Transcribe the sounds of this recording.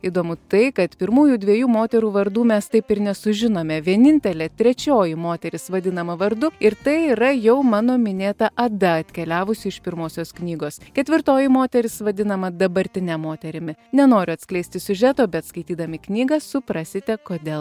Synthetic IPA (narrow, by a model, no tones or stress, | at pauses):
iːd̪oːmʊt̪ɐɪkɐt̪pʲɪɾmuːjuːd̪ʲʋʲiɛjuːmoːt̪ʲɛɾuːʋɐɾd̪uːmʲɛst̪ɐɪpɪɾnʲɛsʊʒʲɪnoːmʲɛʋʲiɛnʲɪnʲt̪ʲɛlʲeːt̪ʲɾʲɛt͡ʃʲoːjɪmoːt̪ʲɛɾʲɪsʋɐd̪ʲɪnɐmɐʋɐɾd̪ʊɪɾt̪ɐɪiːɾɐjɛʊmɑːnoːmʲɪnʲeːt̪ɐʔɐd̪ɐɐt̪ʲkʲɛlʲæːʋʊsʲɪɪʃpʲɪɾmoːsʲoːsknʲiːɡoːskʲɛt̪ʲʋʲɪɾt̪oːjɪmoːt̪ʲɛɾʲɪsʋɐd̪ʲɪnɐmɐd̪ɐbɐɾʲt̪ʲɪnʲɛmoːt̪ʲɛɾʲɪmʲɪnʲɛnoːɾʲʊɐt̪sklʲɛɪsʲt̪ʲɪsʲʊʒʲæt̪oːbʲɛtt̪skɐɪt̪ʲiːd̪ɐmʲɪknʲiːɡɐsʊpɾɑsʲɪt̪ʲɛkoːd̪ʲeːlˠ